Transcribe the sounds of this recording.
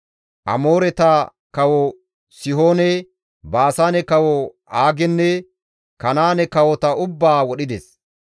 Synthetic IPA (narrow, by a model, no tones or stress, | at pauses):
ʔɐ̰moːɾɛt̪ɐ | kɐwɔ | sɪɦoːnɛ | baːsaːnɛkɐwɔʔaːɡɛnːɛ | kɐnaːnɛkɐwɔt̪ɐʊbːaːwɔɗɪd̪ɛs